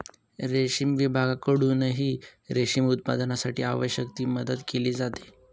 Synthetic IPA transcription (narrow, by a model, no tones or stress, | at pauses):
ɾeɕiːmʋibʱaɡakəɽunəɦiːɾeɕimut̪̚pa̰d̪ənasaʈḭːa̰ʋəɕjəkt̪iːməd̪əd̪keliːd͡zat̪e̥